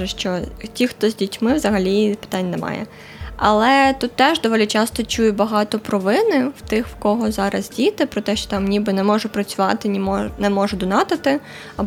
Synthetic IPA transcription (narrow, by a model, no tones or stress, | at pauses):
ɛʃt͡ʃɔtʲixt̪ɔzʲdʲitʲmɪwzɐɦɐlʲipɪ̥t̪ɑnʲːnɛmɑ̰jɛ̰ | ɐ̰lˠɛt̪ut̪ːɛʒd̪ɔʋɔlʲit͡ʃɑst̪ɔt͡ʃujʊbɐɦɑt̪ɔpɾɔʋɪnɪwt̪ɪxwkɔɦɔzɑɾɐ̰zdʲit̪ɪpɾɔt̪ɛʃt͡ʃɔ̥t̪ɑmnʲibɪnɛmɔʒʊpɾɐt͡sʲʊʋɑt̪ɪnʲimɔnɛmɔʒʊd̪ʊnɑt̪ɪt̪ɪ | ɐb